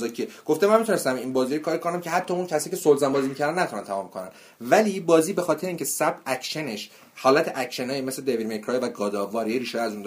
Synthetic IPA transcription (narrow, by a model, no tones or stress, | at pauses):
zɒcʰieɡ̥o̞ft̪emænmit̪ʰunest̪æminbɒːziːɒkʰɒːɾikʰonæmcʰeɦæt̪ʰːɒːuncʰæsicʰesolzæmbɒːziːmicʰæɾd̪ænæt̪ʰunænt̪ʰæmɒːmkʰonæ̰n | væliːbɒːziːbe̞xɒːt̪ʰeeiːŋcʰesæb̚æcʰʃeneʃ | hɒːlæt̪ʰeʔæcʃenɒːjeme̞sled̪evid̪̚mekʰɾɒːjvæɡɒːd̪ɒːvɒːɾijeɾiːʃɒjæzund̪